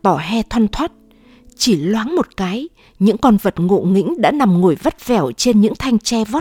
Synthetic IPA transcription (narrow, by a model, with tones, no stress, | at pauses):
t̪ɔ˧˩ɦɛ˧t̪ʰwa˧nt̪ʰwaː˦˥t̚ | t͡ɕi˧˩lwaː˨˦nmo˨˩t̚kaː˨˦j | ɲɨ̰˧˥ŋkɔ˧nvə˨˩t̚ŋo̰˧˨ŋḭ˧˥ŋ̟ɗa̰ː˧˥na˨˩mŋo˨˧˩jvə˦˥t̚vɛ˧˨˩wt͡ɕe˧nɲɨ̰˧˥ŋt̪ʰa˧jŋ̟t͡ɕɛ˧vɔ˦˥t̚